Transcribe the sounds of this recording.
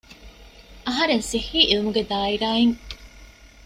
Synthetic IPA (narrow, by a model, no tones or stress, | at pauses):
ɐɦɐɾensihiːʔilumuɡed̪aːiɾaːiŋ